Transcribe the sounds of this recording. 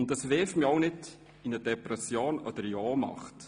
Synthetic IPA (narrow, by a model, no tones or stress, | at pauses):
ʊntdɑsvɛftmiɔwnɪd | ɪnəd̥ɛpɾɛsjoːnɔ̰d̥̪əɾiɔːmɑ̰χt